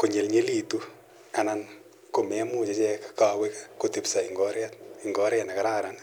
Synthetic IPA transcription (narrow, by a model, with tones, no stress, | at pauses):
ko˨ɲe˨lɲe˦li˨tu˦ | a˨nan | ko˨mɛ˦mʊ˦t͡ʃe˦t͡ʃɛkka˨we˦kakoti˨psa˨iŋɡɔɾjat̚ɪ˨ŋɡɔ˦ɾja˨na˨ka˦ɾaː˦ɾan